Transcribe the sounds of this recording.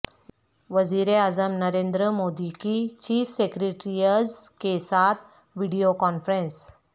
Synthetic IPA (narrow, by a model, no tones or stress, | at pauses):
ʋəziɾeazəmnəɾẽnd̪ɾəmod̪ikit͡ɕiːfsekɾeʈɾijəzkesat̪ʰ | ʋiɽijokɔnfɾẽns